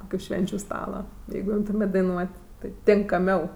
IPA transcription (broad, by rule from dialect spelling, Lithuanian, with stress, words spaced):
ˈkoːkʲʊ ˈʃʲʋʲɛnʲt͡ʃʲʊ ˈstɑːlˠɐ ˈjɛɪɡʊ ˈɪmtʊmʲeːtʲ dɐɪˈnuɔtʲ tɐɪ tʲɪŋkɐˈmʲɛʊ